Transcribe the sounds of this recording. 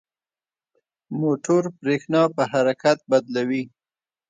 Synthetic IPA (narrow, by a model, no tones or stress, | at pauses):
moʈoɾpɾexnɑpəɦaɾakat̪̚bad̪lawi